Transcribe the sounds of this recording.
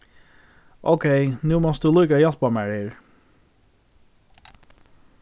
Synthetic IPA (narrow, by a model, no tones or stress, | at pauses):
ʔo̰ʊkʰeɪnʉːmɔsd̪ʉːlyːkəjɑlpɑmæɹeːɹ